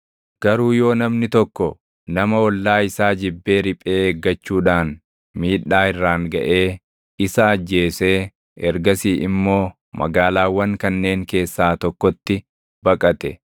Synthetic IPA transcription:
ɡ̥ɐɾuːjo̞ːnɐmnɪt̪ɔkːɔ | nɐmɐɔlːaːɪsaːd͡ʒɪbːe̞ːɾɪpʼe̞ːeːɡːɐt͡ʃːuːᶑaːn | miːᶑaːɪrːaːŋɡɐʔe̞ː | ɪsɐːd͡ʒːe̞ːseː | ɛɾɡɐsiːʔɪmːo̞ː | mɐ̰ɡaːlaːwɐŋkɐnːe̞ːŋke̞ːsːaːt̪ɔkːɔt̪ːɪ | bɐkʼɐt̪ɛ̰

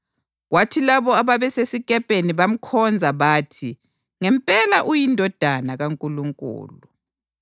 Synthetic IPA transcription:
watʰilaβɔaβaβɛsesiɣʼɛpʼeniβam̩kʰɔnd͡zʱaβaːtʰi | ŋɛmpʼɛlaʔujindʱɔd̥ʱanaɣaŋkʼuluŋkʼṵːlu

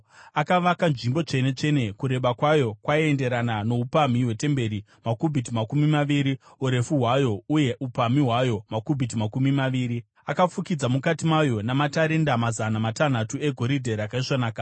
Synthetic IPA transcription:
akaʋakanʐimbo̞t͡ʂe̞ne̞t͡ʂe̞ne̞kuɾe̞ɓakwajo̞kwaiende̞ɾanano̞upamiɦwe̞te̞mbe̞ɾi | makubʱit̬imakumimaʋiɾiuɾe̞fuɦwajo̞uje̞ʔupamiɦwajo̞makubʱit̬imakumimaʋiːɾi | akafukid͡zamukatimajo̞namataɾe̞ndamazanamatan̤atue̞ɡʱo̞ɾidʱe̞ɾakaiʂanaːka

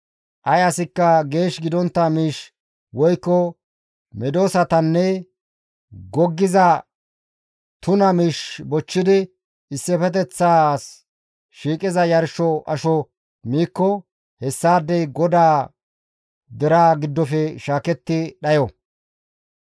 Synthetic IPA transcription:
ʔɐjɐsɪkːɐɡe̞ːʃɡɪd̪ɔnt̪ːɐmiːʃ | wɔjkːɔ | mɛd̪o̞ːsɐt̪ɐnːɛ | ɡɔɡːɪzɐ | t̪ʊnɐmiːʃbɔt͡ʃːɪd̪ɪ | ɪsːɛfɛt̪̬ɛt͡sːaːs | ʃiːkʼɪzɐjɐɾʃɔʔɐʃɔ | miːkːɔ | hɛsːaːd̪ːɛjɡɔd̪aː | d̪ɛɾaːɡɪd̪ːɔfɛʃaːkɛt̪ːɪɗɐjɔ

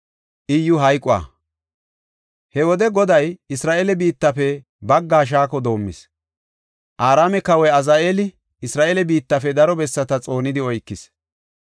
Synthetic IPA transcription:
ʔɪjːʊɦɐjkʼʊa̰ | hɛwɔd̪ɛɡɔd̪ɐjɪsɾaːʔelɛbiːt̪ːɐfɛ | bɐɡːaːʃ̬aːkɔd̪o̞ːmːɪ̰s | ʔaːɾaːmɛkɐwɔjɐzaːʔeːlɪ | ɪsɾaːʔeːlɛbiːt̪ːɐfɛd̪ɐɾɔbɛsːɐt̪ɐt͡sʼo̞ːnɪd̪ɪɔjkːɪs

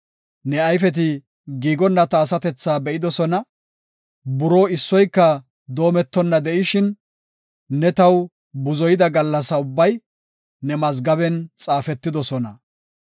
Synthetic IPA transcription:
nɛɐjfɛt̪̬ɪ | ɡiːɡɔnːɐt̪ɐːsɐt̪ɛt͡sːaːbɛʔɪd̪ɔsɔnɐ | bʊɾoːɪsːɔjkːɐ | d̪o̞ːmɛt̪ːɔnːɐd̪ɛʔɪʃɪnː | ɛt̪ɐw | bʊzɔjɪd̪ɐɡɐlːɐsɐʊbːɐj | nɛmɐz̬ɡɐbɛnt͡sʼaːfɛt̪ːɪd̪ɔsɔnɐ

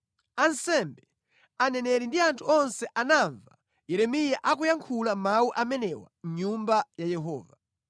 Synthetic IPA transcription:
ansɛmbɛ | anɛnɛɾindiantʰuɔnsɛʔanaɱva | jɛɾɛmijaʔak̬ujaŋkʰulamauʔamɛnɛwa̰m̩ɲumbajajɛɦɔ̰ːva

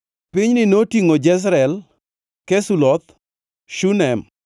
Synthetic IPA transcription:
pɪɲnɪnotiŋod͡ʒɛs̬ɾɛl | kɛsulɔt̪̚ | ʃunɛm

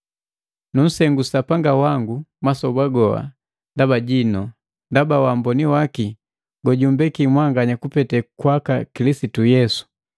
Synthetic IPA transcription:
num̩sɛŋɡusapaŋɡawaŋɡumasɔbaɡɔwa̰ | ndabaɟinɔ | ndabawambɔniwaki | ɡɔɟumbɛkimwaŋɡaɲakupɛtɛkwakakilisitujɛsu̥

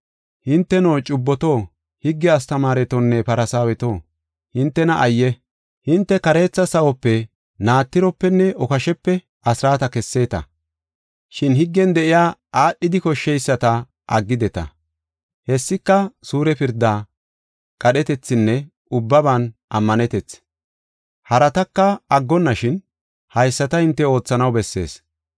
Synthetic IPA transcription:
hɪnt̪ːɛno̞ːt͡ʃʼʊbːɔt̪oː | hɪɡːɛɐst̪ɐmaːɾɛt̪ɔnːɛpɐɾɐsaːwɛt̪o̞ː | hɪnt̪ːɛnɐʔɐjːɛ | hɪnt̪ːɛkɐɾe̞ːt͡sːɐsɐwɔpːɛ | naːt̪ːɪɾɔpːɛnːɛʔɔkɐʃɛpːɛ | ɐsɾaːt̪ɐkɛsːe̞ːt̪ɐ̰ | ʃɪnhɪɡːɛnd̪ɛʔɪjaːʔaːʔːɪd̪ɪkɔʃːɛjsːɐt̪ɐ | ʔɐɡːɪd̪ɛt̪ɐ̰ | hɛsːɪkːɐsuːɾɛpɪɾd̪ːaː | kʼɐɗɛt̪ɛt͡sːɪnːɛ | ʊbːɐbanʔɐmːɐnɛt̪ɛt͡s | hɐɾɐt̪ɐkːɐɐɡːɔnːɐʃɪn | hɐjsːɐt̪ɐhɪnt̪ːɛo̞ːt͡sːɐnɐwbɛsːe̞̰ːs

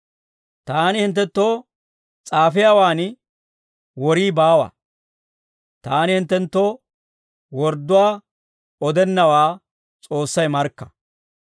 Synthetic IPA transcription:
t̪aːnɪhɪnt̪̬ːɛnt̪ːo̞ː | t͡sʼaːfɪjaːwaːn | wɔɾiːbaːwa̰ː | t̪aːnɪhɪnt̪ːɛnt̪ːoː | wɔɾd̪ːʊwaː | ɔd̪ɛnːɐwaː | t͡sʼo̞ːsːɐjmɐɾkːɐ̥

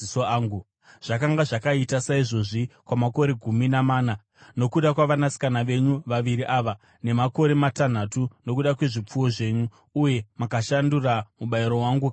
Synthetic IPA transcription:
soaːŋɡu | ʐ̥akaŋɡaʐakaitasaiʐo̞ʐikwamako̞ɾe̞ɡʱuminamaːna | no̞kuɗakwaʋanasi̥kanaʋe̞ɲuʋaʋiɾiʔaːʋa | ne̞mako̞ɾe̞matan̤atuno̞k̬uɗakwe̞ʐip͡fuwo̞ʐe̞ːɲuː | je̞makaʃanduramuɓaiɾo̞waːŋɡu

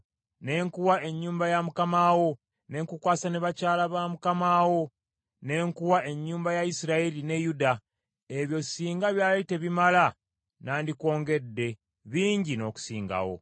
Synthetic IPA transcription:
ne̞ːŋkuwae̞ɲːuːmbajamukamawo̞ | ne̞ŋkukwaːsaneβacaːlaβamukamaːwo̞ | ne̞ːŋkuwaʔe̞ɲːuːmbajaisiɾaeline̞juda | eβjo̞siːŋɡaβjaːlete̞βimala | naːndiko̞ːŋɡe̞dːe̞ | βiːɲɟino̞ːku̥siːŋɡa̰wo̞̰

